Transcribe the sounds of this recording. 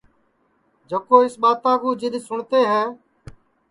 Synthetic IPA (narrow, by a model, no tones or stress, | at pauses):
d͡ʒəkoːɪsɓaːt̪ãːkũːd͡ʒɪɗ̪sʊɳt̪eːɦɛː